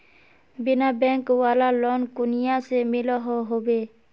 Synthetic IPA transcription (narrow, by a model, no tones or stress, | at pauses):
bɪnabɛ̃ŋkwalalɔnkunijasemilɔɦɔɦobe